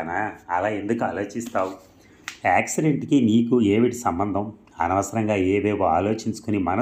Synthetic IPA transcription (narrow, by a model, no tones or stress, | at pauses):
naɐ̰laːend̪ukuaːlo̞ːt͡ʃist̪aːwu | aːksiɖeɳʈkiniːkueːʋiʈisɐmbɐnd̪ʱɐm | ɐ̰nɐʋɐsɐɾɐŋɡaːeːʋeːbua̰ːlo̞ːt͡ʃiɲt͡ʃu̥kunimɐnɐ